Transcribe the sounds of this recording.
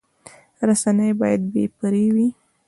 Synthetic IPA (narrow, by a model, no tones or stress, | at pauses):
ɾasanəjbɑjad̪̚bḛpaɾewi